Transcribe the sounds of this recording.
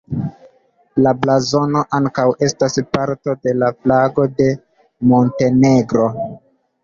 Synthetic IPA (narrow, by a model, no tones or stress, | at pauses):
lablazo̞no̞ʔaŋkawʔe̞staspaɾto̞de̞laflaɡo̞de̞ | mo̞nte̞ne̞ɡɾo̞